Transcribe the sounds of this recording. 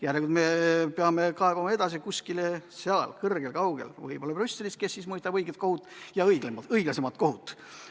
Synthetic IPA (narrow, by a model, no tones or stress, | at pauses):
jæɾeɡud̪mepeɑme̞kɑe̞b̥ɑmɑe̞d̪̥ɑs̬ikuskileseɑlkɤrɡ̥elkɑwɡ̥ḛlvɤ̰jb̥o̞lːɑprysʲːeliske̞sːismɤist̪ɑb̥ɤjɡet̪̚ko̞hut̪ːˑjɑɤjɡemɤjɡ̥lɑse̞mɑt̪̚ko̞ɦut̪ːˑ